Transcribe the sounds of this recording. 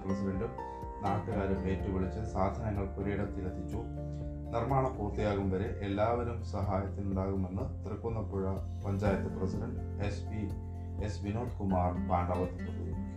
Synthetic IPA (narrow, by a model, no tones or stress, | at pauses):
prɐsiɖɐɳɖu | naːʈːɨɣaːɾɨeːtːɨʋiɭit͡ɕːɐsaːd̪ʱɐnɐŋːɐɭkuɾeːɽɐmt̪ilɐt̪ʰːit͡ɕːu | nirmaːɳɐmpuːrt̪ːijaːɣumʋɐɾe̞ʔelːaːʋɐɾumsɐɦaːjɐt̪ːinuɳɖaːɣume̞nːɨt̪irɐkːunːɐpːuɻɐ | pɐɲd͡ʑaːjɐt̪ːɨprɐsiɖɐɳɖ | espi | esʋinoːd̪kumaːrbaːɳɖɐːʋɐt̪ːip̪ːut̪ːui